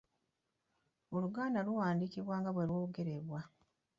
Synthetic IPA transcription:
oluɡaːndaluwaːndikiβwaːŋɡaβwelwo̞ːɡe̞ɾeβwa

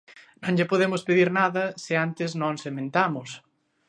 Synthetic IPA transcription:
nõŋʎɪpoðemʊspeðiɾnaðɐsɪant̪ɪznõŋsemẽnt̪amʊs

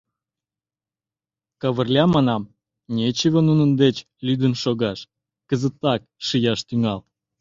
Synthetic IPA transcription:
kɑβə̆rlʲɑmɑnɑm | nʲet͡ɕəβonunənd̪et͡ɕ | lʲyd̪ənʃoɣɑʃ | kəzət̪ːɑk̚ʃijɑʃt̪yŋɑl

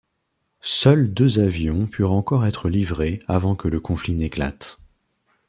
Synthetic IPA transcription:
sœld̪øzavjɔ̃pʰyʁɑ̃kɔʁɛt̪χəlivʁeavɑ̃kələkɔ̃flinekla̰t̪

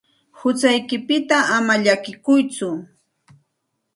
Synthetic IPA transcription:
hʊt͡sajkɪpɪt̪aʔːmaʎakɪkʊjt͡sʊ

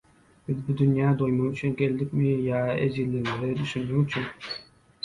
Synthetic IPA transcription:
b̥ɪzbud̪ynjɑːd̪ojmɨŋyt͡ʃʰynkʲʰeld̪ɪkʲmɪjɑːed͡ʒilːɪŋɪɾɪd̪yʃynd̪ɪŋyt͡ʃʰyn

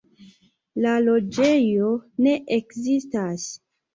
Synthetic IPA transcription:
lalo̞d͡ʒe̞jo̞ne̞ʔekzistas

